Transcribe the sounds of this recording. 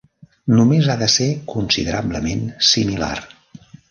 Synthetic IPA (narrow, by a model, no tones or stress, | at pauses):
numezaðəsekunsḭðəɾabləmensimila̰r